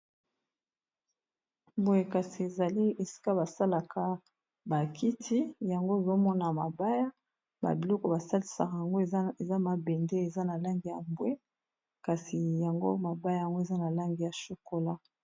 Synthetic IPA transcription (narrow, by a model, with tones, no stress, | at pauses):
mbo˨je˨ka˨si˨e˨za˨li˦e˨si̥˦ka˦ba˨sa˦la˨kʰa˦ | ba˨kʰi˦tʰi˦ja˨ŋɡo˦e˨zo˦mɔ˦na˨ma˨ba˦ja˦ | ba̰˨bi˨lɔ˦kɔ˦ba˨sa˦li˨˦sa̰˨ka˨ja˨ŋɡo˦˨e˨za˦ma˨bɛ˨nde˦e˨za˦na˨la˦ŋɡi˨ja˨mbwe˦ | ka˨si˨ja˨ŋɡo̰˦ma˨ba˦ja˦ja˨ŋɡo˦e˨za˦na˨la˦ŋɡi˨ja˨ʃo˨ko˦la˦